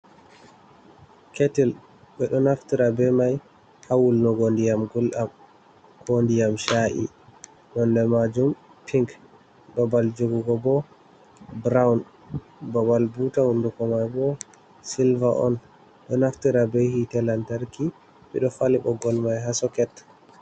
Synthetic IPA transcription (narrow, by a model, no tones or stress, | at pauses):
ketil | ɓɛɗɔnaftiɾabɛmaj | hawulnɔɡondijamɡulʔam | kʰondijamʃaʔḭ | ɗɔndɛmad͡ʒumpʰiŋk | ɗɔbald͡ʒoɡuɡɔbɔ | bɾawn | babalbutahundukɔmajbɔ | silvaʔɔ̰n | ɗɔnaftiɾabɛhitɛlantaɾki | ɓɛ̰ɗɔfaliɓɔɡɔlmajɦasɔkɛtː